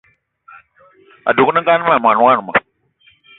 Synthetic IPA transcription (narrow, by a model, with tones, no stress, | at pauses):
a̰˨du˨ku˦na˦ŋɡa˦n˦ma˨m˨a˨n˨˦a˦n˨ma̰˨